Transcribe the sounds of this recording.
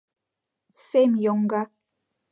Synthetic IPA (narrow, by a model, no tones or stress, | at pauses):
semjoŋɡa